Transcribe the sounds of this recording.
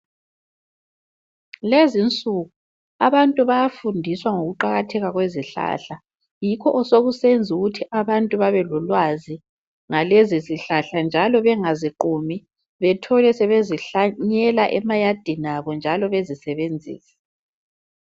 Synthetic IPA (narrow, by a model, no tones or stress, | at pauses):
lezint͡sʼuɣu | aβantʼuβajafundʱiswaŋoɣuǃaɣatʰɛɣaɣweziɬa̰ɬa | jikʰɔʔɔsoɣusend͡zʱuɣutʰiʔaβantʼuβaβɛlɔlwazi | ŋaleziziɬaɬand͡ʒʱalɔβɛŋaziǃumi | βɛtʰɔlɛsɛβeziɬaɲɛlaʔɛmajad̥ʱinaβɔnd͡ʒʱalɔβezisɛβend͡zʱḭːsɛ̥